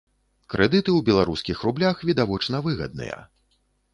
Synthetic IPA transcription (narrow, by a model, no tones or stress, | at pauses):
kɾʔɛd̪ɨt̪ɨwbʲɛlˠaɾuskʲixrublʲaxvʲid̪avɔt͡ʂnɐvɨɣɐ̰d̪̚nɨ̰jɐ̰